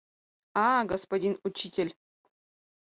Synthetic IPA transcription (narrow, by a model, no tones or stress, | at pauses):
ɑɡospodʲinut͡ɕːitʲelʲ